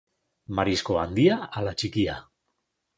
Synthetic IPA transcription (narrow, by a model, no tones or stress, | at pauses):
maɾisko̞a̰nd̪iaalat͡ʃikia